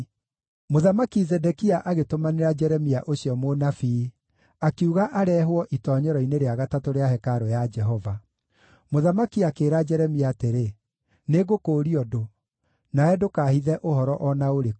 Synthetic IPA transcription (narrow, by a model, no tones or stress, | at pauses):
moðamakizɛdɛkiaʔaɣetomaneɾad͡ʒɛɾɛmiaʔoɕiɔmonafi | akeuɣaʔaɾɛɦwɔʔitɔːɲɔɾɔineɾeaɣatatoɾeaɦɛkaɾojad͡ʒɛɦɔva | moðamakiakeːɾad͡ʒɛɾɛmiaːteɾe | neɣokoːɾiɔdo | naɛdokaːhiðɛʔoɦɔɾɔʔɔnaoɾe